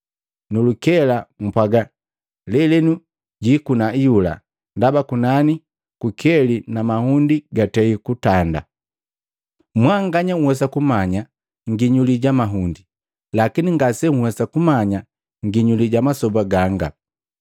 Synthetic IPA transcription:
nulukɛlam̩pwaɡa | lɛlɛnu | ɟikunaijula̰ | ndabakunani | kukʰɛlinamahundiɡatɛikutanda̰ | mwaŋɡaɲaŋ̩wɛs̬akumaɲa | ŋɡiɲuliɟamaɦundi | lakiniŋɡasɛŋ̩hwɛsakumaɲa | ŋɡiɲuliɟamasɔbaɡaŋɡa

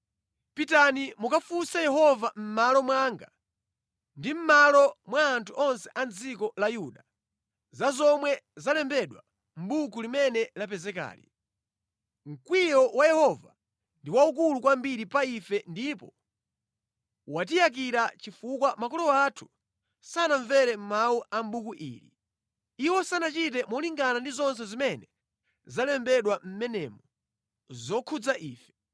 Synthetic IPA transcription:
pitanimukafusajɛhɔvam̩malɔmwaːŋɡa | ndim̩malɔmwaːntʰuʔɔnsɛʔand͡zikɔlajuɗa | zazɔmwɛzalɛmbɛɗwa̰ | m̩ɓukulimɛnɛlapɛzɛka̰ːlḭ | ŋ̩kwijɔwajɛhɔva | ndiwauk̬ulukwambiɾipaifɛndipɔ | wat̬ijak̬iɾat͡ʃifukwamakɔlɔwatʰu̥ | sanaɱvɛɾɛm̩mawuʔam̩ɓukuʔḭːɾḭ | iwɔsanat͡ʃit̬ɛmɔliŋɡanandizɔnsɛzimɛnɛ | zalɛmbɛɗwam̩mɛnɛmɔ | zɔkʰud͡zaʔiːfɛ̥

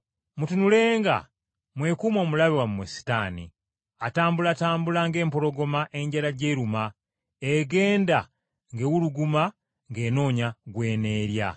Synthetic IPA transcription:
mutunule̞ːŋɡa̰ | mwe̞ːkumo̞ːmulaβiwammesi̥taːnḭ | ataːmbulaːtaːmbulaŋɡe̞ːmpo̞ɾo̞ɡo̞maʔe̞ɲɟaɾaɟeːɾuma | eɡe̞ːnda | ŋɡewuluɡuma | ŋɡe̞ːno̞ːɲaɡwe̞ːne̞ːɾja̰

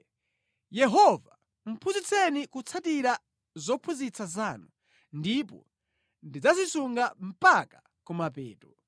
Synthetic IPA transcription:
jɛɦɔva | m̩pʰuzit͡sʰɛnikut͡sʰatiɾa | zɔpʰuzit͡sazaːnu | ndipɔ̰ | ndid͡zazisuŋɡam̩pakḁ | kumapɛ̰ːtɔ

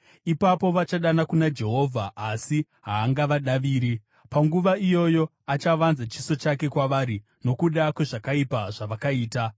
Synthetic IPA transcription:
ipapo̞ʋat͡ʃaɗanakunad͡ʒe̞ɦo̞ːvʱaːsi | ɦaːŋɡaʋaɗaʋiːɾi | paŋɡuʋaijo̞jo̞ | at͡ʃaʋanzat͡ʃiso̞t͡ʃake̞kwaʋaɾi | no̞kuɗakwe̞ʐakaipaʐaʋakaiːta

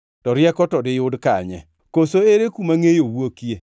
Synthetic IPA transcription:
tɔɾjɛkɔtɔdɪjʊdkaɲɛ̰ | kosoeɾekumaŋejowwokje

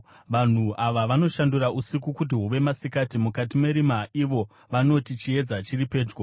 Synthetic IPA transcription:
ʋan̤uʔaʋaʋano̞ʃanduɾaʔusikukut̬iɦuʋe̞masikatimukatime̞ɾimaʔiʋo̞ | ʋano̞tit͡ʃie̞d͡zat͡ʃiripe̞ːd͡ʒɡo

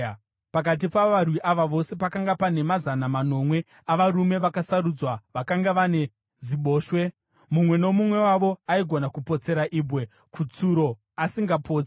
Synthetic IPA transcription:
pak̬at̬ipaʋarwiʔaʋaʋo̞se̞pakaŋɡapane̞mazanamano̞mwe̞ | aʋaɾume̞ʋakasaɾud͡zwaʋakaŋɡaʋane̞ | ziɓo̞ːʃwe̞ | mumwe̞no̞mumwe̞waʋo̞aiɡʱo̞nakupo̞t͡se̞ɾaʔiːbwe | kut͡suɾo̞ | asiŋɡapʰo̞ːt͡si

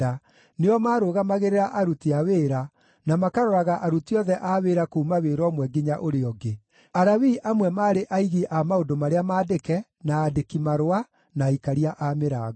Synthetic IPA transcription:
a | neɔmaːɾoːɣamaɣeɾeɾaʔaɾutiaweːɾa | namakaɾɔɾaɣaʔaɾutiɔðɛʔaweːɾakoumaweːɾɔmwɛɡiɲaʔoɾeɔɡe | aɾawiʔamwɛmaːɾeʔaiɣiʔamaodomaɾeamaːdekɛ | naːdekimaɾoa | naikaɾiaʔameɾa

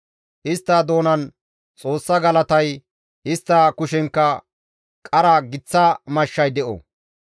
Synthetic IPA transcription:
hɪst̪ːaːd̪o̞ːnɐn | t͡sʼo̞ːsːɐɡɐlɐt̪ɐj | hɪst̪ːaːkʊʃɛŋkːɐ | kʼɐɾɐɡɪt͡sːɐmɐʃːɐjd̪ɛʔo̰

